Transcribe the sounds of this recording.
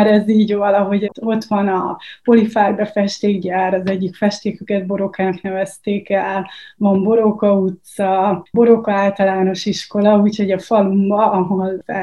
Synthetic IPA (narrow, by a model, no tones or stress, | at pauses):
aɾɛziːɟɒlɒɦo̞ɟ̪o̞t̪ʋɒnɒpo̞lifaːrbɛfɛʃt̪eːɡɟaːɾɒzɛɟːikfɛʃt̪eːkøkɛd̪̚bo̞ɾo̞kaːnknɛvɛst̪eːkɛlʋɒmbo̞ɾo̞kɒut̪sɒbo̞ɾo̞kɒaːlt̪ɒlaːno̞ʃiʃko̞lɒuːcho̞ɟɒfɒlumbɒʔɒɦoza